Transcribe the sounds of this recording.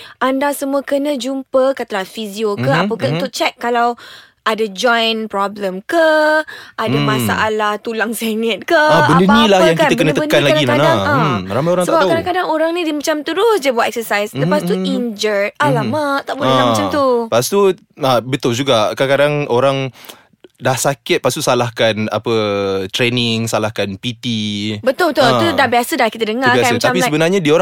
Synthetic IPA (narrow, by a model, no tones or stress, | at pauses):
ʔandasəmuakənəd͡ʒumpəkət̪əlafiziokəapəkaunt̪ʊk̚t͡ʃɛk̚ːalaw | ʔadad͡ʒɔjnpɾɔbləmkə | adamasa̰ʔalaht̪ulaŋsɛnət̪̚kəbəadəpanilahaãŋkiaəkənəəbənkannlaaaɡinandaŋaɾamajoɾaŋsəbap̚kadãkadaŋoɾaŋnidimat͡ʃamt̪əɾʊsd͡ʒabəat̪̚ɛksəsajsləpast̪uiɲd͡ʒəralamat̪aʔbuamaaamt̪upast̪u | abət̪ʊld͡ʒuɡakakadaŋoɾaŋ | dahsakɪt̪̚past̪uʔsalahkana̰pət̪ɾenɪŋsalahkanpit̪ibət̪ʊlbət̪ʊludaʔbiasədahkit̪ədəŋarakat̪ampisəbənarɲadioɾa